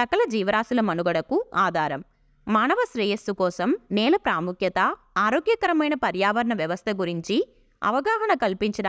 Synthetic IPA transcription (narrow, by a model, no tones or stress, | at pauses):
ɐkɐlɐd͡ʒiːʋɐɾaːsulɐmɐnuɡɐɽɐkuaːd̪ʱaːɾɐmː | aːnɐʋɐsɾɛːjɐsːukɔːsɐmnɛːlɐpɾaːmukjɐt̪ɐ | aːɾoːɡjɐkɐɾɐmɐjnɐpɐɾjaːʋɐɾɐɳɐʋjɐʋɐst̪ʰɐɡuɾiɲt͡ʃi | ɐ̰ʋɐɡaːɦɐɳɐkɐlpiɲt͡ʃɐɖ